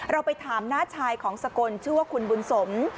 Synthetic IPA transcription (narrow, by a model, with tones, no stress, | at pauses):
ɾa˧wpa˧jt̪ʰaː˩˦mnaː˥˩t͡ɕʰaː˧jkʰɔː˩˦ŋsa˧ko˧nt͡ɕʰɯ˥˩waː˥˩kʰu˧nbu˧nso˩˦m